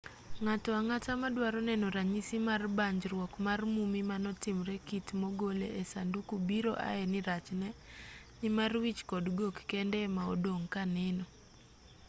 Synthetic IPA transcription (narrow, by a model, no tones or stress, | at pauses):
ŋatɔaŋatamadwaɾɔnɛnɔɾaɲisimarbaɲd͡ʒrwɔkmarmumimanɔtɪmɾɛkitmoɡolḛʔesandukubiɾoʔa̰ɛnɪɾat͡ʃnɛ | nɪmarwit͡ʃkɔdɡokːɛndɛmao̰doŋkanɛnɔ